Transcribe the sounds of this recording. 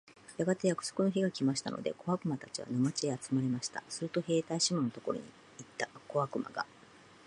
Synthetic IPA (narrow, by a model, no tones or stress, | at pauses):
jaɡat̪e̞jakɯ̟̥so̞̥kɯ̟no̞ɦeɡakʲimaɕi̥t̪a̰no̞̰d̪e̞̰ko̞βakɯ̟mat̪at͡ɕiβa̰nomat͡ɕieat͡sɨmaɾemaɕi̥t̪a̰sɨɾɯ̟t̪o̞he̞ːt̪aiɕimonot̪o̞ko̞ɾoɲḭ | it̪ːako̞βakɯ̟ma̰ɡa̰